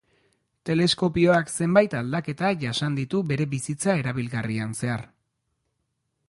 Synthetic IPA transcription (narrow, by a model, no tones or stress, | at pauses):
t̪e̞le̞sko̞pio̞akse̞mbajt̪ald̪ake̞t̪aʝasand̪it̪uβe̞ɾe̞βisit͡sae̞ɾaβ̞ilɣarianse̞aɾ